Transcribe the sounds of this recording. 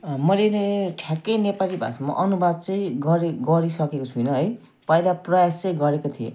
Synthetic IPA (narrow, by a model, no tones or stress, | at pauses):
mʌleeʈʰjakʌjnepalibʱa̰sama̰ʔʌnubad̪̚t͡sʌ̃j̃ɡʌɾeɡʌɾisʌkekot͡sʰujnʌɦʌj | pʌilaprʌjast͡sʌ̃j̃ɡʌɾekot̪ʰijḛ